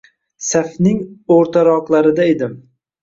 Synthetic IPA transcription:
safnɪŋoɾt̪ʰaɾɒqlˠaɾɪd̪aed̪ɪm

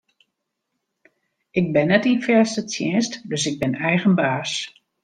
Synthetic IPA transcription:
ʔɪɡ̚bɪnːɛtinfɛsətjɛnstdøsɪɡ̚bɪnɛjɣənbaːs

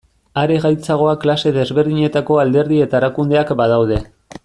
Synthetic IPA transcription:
aɾe̞ɣajt͡saɣ̞o̞aklase̞ðe̞zβe̞ɾðiɲe̞t̪ako̞ald̪e̞ɾðie̞t̪aeɾakund̪e̞akbað̞awð̞e̞

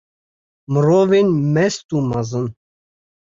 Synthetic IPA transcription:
məɾɔvinmɛst̪umazən

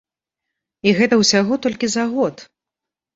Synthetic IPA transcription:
iɣɛt̪ɐwsʲaɣɔt̪ɔlʲkʲizaɣɔt̪

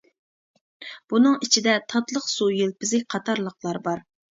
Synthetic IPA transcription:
b̥unɨŋit͡ʃʰid̪ɛt̪ʰɑt̪lˠəqsujelpɪzɪk̚ʲqʰɑt̪ʰɑɾlˠəqlˠɑɾbɑɾ

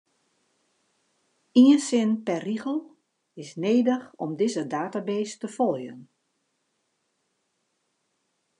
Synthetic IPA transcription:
iənsɪnpɛrːiɣəlˠ | ɪsneːdəxɔ̰mdɪzədaːtabeːstəfɔlˠjə̰n

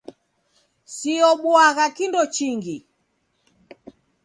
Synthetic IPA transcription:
siɔɓwaɣakindɔt͡ʃiŋɡi

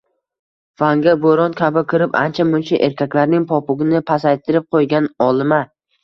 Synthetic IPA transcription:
faŋɡʲaboɾɒnkʲʰabɪkʲʰɪɾɪpa̰nt͡ʃʰamʊnt͡ʃʰaʔe̞ɾkʲʰakʲlaɾnɪŋpʰɒpʊɡʲɪnɪpʰasajt̪ʰɪɾɪp̚qʰojɡʲanɒlˠɪma

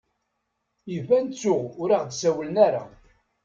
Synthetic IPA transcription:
ivænt͡sːʊʁʊɾiʁd̪sæwlənæɾa̰

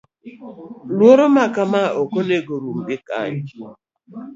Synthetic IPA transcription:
loɾomakamaʔokoneɡoɾum̩bɪka̰ɲɪ

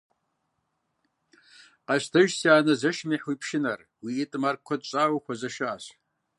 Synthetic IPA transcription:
qɑʃtʰɐʒsjaːnɐzɐʃmiħwipʰʃɪnɐr | wiːtʼmarkkʷʰːɐdt͡ʃʼaːwxʷɐzɐʃaːɕ

